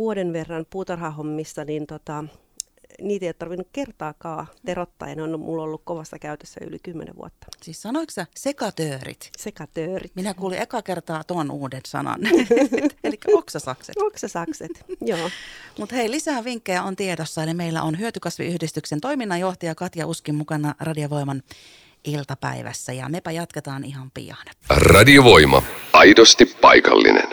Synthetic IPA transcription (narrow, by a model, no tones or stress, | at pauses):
ʋuodenʋerːɑnpuːt̪ɑrhɑhomːisːɑnint̪ot̪ɑ | niːt̪eijot̪t̪ɑrʋinːukkert̪ɑːkɑːt̪erot̪ːɑ̰ːjɑ̰neonmʔulːolːukkoʋɑsːɑkæyt̪øsːæ̰y̰lḭkymːḛnḛʋṵot̪ːɑ̥siːssɑnoiksɑsekɑt̪øːrḭt̪sekɑt̪øːrit̪minækuːliʔekɑkert̪ɑːt̪uɑnuːdensɑ̰nɑ̰nː | elikːæoksɑsɑ̰ksḛtoksɑsɑkset̪joːmut̪heilisæːʋiŋkːejæont̪iedosːɑelimeilːæ̰ʔonɦyøt̪ykɑsʋḭyhdist̪yksent̪oiminːɑjoht̪ɑjɑkɑt̪jɑʔuskimmukɑnɑrɑdioʋoimɑn | ʔilt̪ɑpæ̰iʋæ̰sːæjɑ̰mepæjɑt̪ket̪ɑːnihɑmpḭjɑ̰n | rɑdioʋoimɑ̰ɑjdost̪ippɑjkɑ̰lːḭnḛn